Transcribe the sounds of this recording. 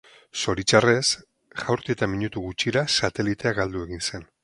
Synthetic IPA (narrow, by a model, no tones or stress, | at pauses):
so̞ɾit͡ʃare̞s | ʝawɾt̪iet̪amiɲut̪uɣut͡ʃiɾasat̪e̞lit̪e̞aɡald̪ue̞ɣinse̞n